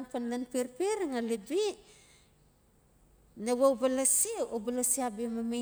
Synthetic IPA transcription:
ŋpanlanpiɾpeɾŋalibi | nawawbalasiobalasiabimama

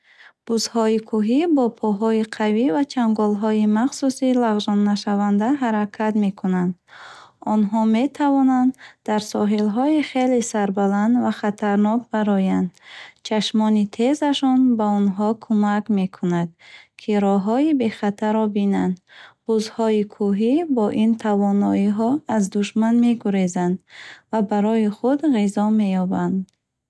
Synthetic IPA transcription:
b̥uzhɔikʰuɦibɔpʰɔɦɔiqʰavivat͡ʃʰamɡɔlɦɔimaχsusilaʁzɔnːaʃavand̪aɦaɾakʰat̪me̞kʰunand̪ɔnɦɔme̞t̪ʰavɔnand̪d̪aɾsɔɦilɦɔiχelesaɾbaland̪vaχat̪ʰaɾnɔk̚baɾɔjand̪t͡ʃʰaʃmɔnit̪ʰezaʃɔnbaɔnɦɔkʰumakme̞kʰunad̪̥̚kʰiɾɔɦɔibe̞χat̪ʰaɾɔbinand̪buzhɔikʰuɦibɔʔint̪ʰavɔnɔiɦɔazd̪uʃmanme̞ɡuɾezand̪vabaɾɔjiχud̪ʁizɔme̞jɔband̪

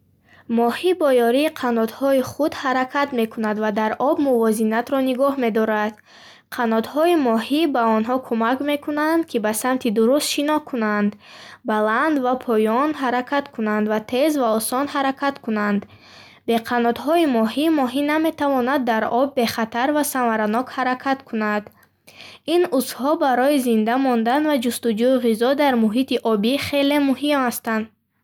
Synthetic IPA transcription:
mɔhibɔjɔɾiːqʰanɔd̪hɔiχud̪haɾakʰat̪me̞kʰunad̪vad̪aɾɔbmuvɔzinat̪ɾɔniɡɔhme̞d̪ɔɾad̪̥ | qʰanɔd̪hɔimɔhibaɔnɦɔkʰumakme̞kʰunand̪kʰibasamt̪ʰid̪uɾust̪ʃinɔhkʰunand̪baland̪vapʰɔjɔnɦaɾakʰat̪kʰunand̪vat̪ʰe̞zvaɔsɔnhaɾakʰat̪kʰunand̪ | be̞qʰanɔt̪hɔimɔhimɔɦiname̞t̪ʰavɔnad̪ːaɾɔbːe̞χat̪ʰaɾvasanvaɾanɔkhaɾakʰat̪kʰunad̪ | inusfhɔbaɾɔizind̪amɔnd̪anvad͡ʒust̪ud͡ʒuiʁizɔd̪aɾmuɦit̪iʔɔbiχe̞le̞muɦimhast̪and̪

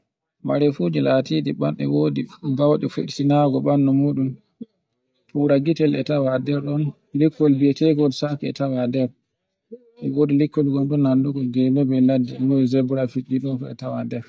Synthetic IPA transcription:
maɾɛfud͡ʒilatidiɓanɛ̰wodibawɗɛfeɗsinaɡɔɓanːɔmuɗum | puɾaɡitɛlɛ̰tawadɛɾɗɔn | likːɔlbɛtɛɡɔdsakiɛ̰tawadɛɾ | ɛwoːdilikːɔlɡɔnɗunːanduɡɔɡɛlɔbɛladːilɔzɛbuɾafiɗiɗɔnfɔɛ̰tawadɛɾ

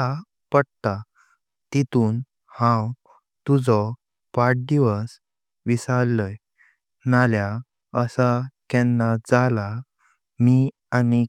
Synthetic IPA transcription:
a | pəɽt̪a | t̪it̪uːn | hãw | t̪ud͡zɔ | paʈ̚d̪iʋəs | ʋisalːəj | nalja | əsakɛnːad͡zala | mi | ani

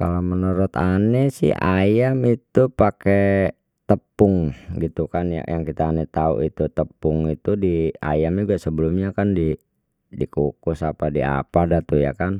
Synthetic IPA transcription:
kalamənɔɾɔt̪anɛsɪ̰ha̰jamit̪upake | t̪əpʊŋɡit̪ukanja̰jaŋkit̪aːnɛt̪aṵʔit̪ut̪əpʊŋit̪udia̰jamaɡuaʔsəbəlumɲakandi | dikukusapadia̰padat̪uja̰kan

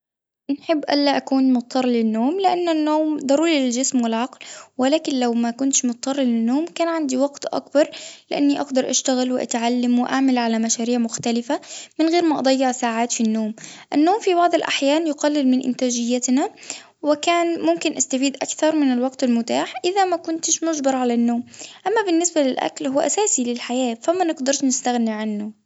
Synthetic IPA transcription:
nħɪbːʔa̰lːaʔakuːnmʊˤːɑrˤːlɪnːoːmlɪʔanːanːoːmd̪ˤɑɾuːɾiɪld͡ʒɪsmwɪlʕɑqlwɪlaːkɪnlawmakʊnt̪ʃmʊt̪̚t̪ˤːɑrˤːlɪnːoːmkaːnʕand̪iwɑɡt̪ʔa̰kbɑɾˤlɪʔanːiʔɑɡd̪ɑɾˤʔaʃt̪aɣɪlwɪʔa̰t̪ʕalːamwɪʔaʕmalʕalamaʃaːɾiːʕmʊxt̪alɪfamɪnɣeːɾmaʔɑd̪ˤɑjːɪʕsaːʕaːt̪finːoːmʔanːoːmfibɑʕd̪ˤɑlʔa̰ħjaːnjʊqɑlːɪlmɪnʔɪ̰nt̪aːd͡ʒɪjːat̪na | wɪkaːnmʊmkɪnʔast̪afiːd̪ʔakθɑɾˤmɪnalwɑɡt̪almʊt̪aːħʔɪðamakʊnt̪ɪʃmʊʒbɑɾˤʕalanːoːmʔamːabɪnːɪsbalɪlʔa̰klhʊwʔa̰saːsilɪlħajaːfamːanɪɡd̪ɑɾˤt̪nɪst̪aɣniʕanːʊ

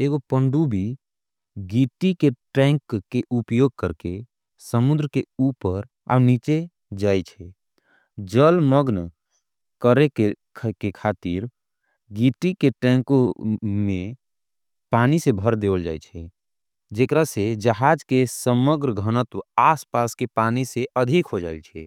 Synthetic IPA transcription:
eɡopəɳɖubʱi | ɡiʈikeʈɛ̃ŋkkːeʔupjoɡ̚kəɾke | səmud̪ɾəkeupəɾ | a̰wnit͡ʃe | d͡ʒajt͡ʃʰɛ | d͡ʒəlməɡn | kəɾeke | kekʰat̪iɾ | ɡiʈikeʈɛ̃ŋkomẽ | panisebʱəɾd̪ewəld͡ʒa̰jt͡ʃʰɛ | d͡ʒekɾased͡ʒəɦad͡ʒkesəməɡɾəɡʱənət̪uaspaskepaniseəd̪ʱikɦod͡ʒaɪlt͡ʃʰɛ

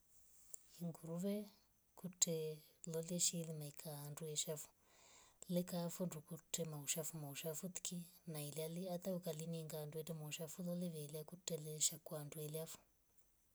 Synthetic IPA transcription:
iŋɡuɾuʋe | kutʰeloleʃilimaikʰandueʃafu̥ | lekafundukutʰemaɦuʃafumauʃafut̪i̥kinailaliat̪aukaliniŋɡanduetɛmauʃafuloleʋeːljakuteleʃakwandueljafu̥

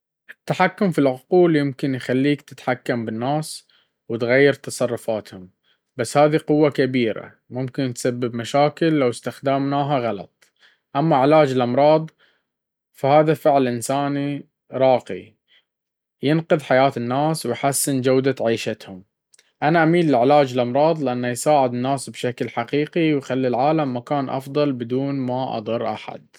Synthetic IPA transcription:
ʔɪt̪ːaħakːʊmfilʕʊquːljɪmkɪnjxalːiːkt̪ɪ̥t̪ħakːambɪnːaːs | wɪt̪ɣajːɪɾt̪ɑsˤɑrˤːʊfaːt̪hʊm | basːhaːðiqʊwːakabiːɾa̰ | mʊmkɪnt̪sabːɪbmaʃaːkɪlːawst̪axd̪amnaːɦaɣɑlɑ̰t̪ˤ | ʔamːaʕɪlaːd͡ʒɪlʔɑmɾˤɑːd̪ˤ | fahaːðafɪʕlʔɪnsaːni | ɾˤɑːqḭ | jɪnqɨðˤħajaːt̪ɪnːaːswjħasːɪnd͡ʒawd̪aʕiːʃat̪hʊm | ʔanaʔamiːllɪʕɪlaːd͡ʒɪlʔɑmɾˤɑːðˤlɪʔanːajsaːʕɪd̪ɪnːaːsbʃaklħaqiːqiwxalːilʕaːlamːakaːnʔɑ̰fðˤɑlbɪd̪uːnmaʔɑ̰d̪ˤɑɾˤːʔa̰ħa̰d̪̥̚

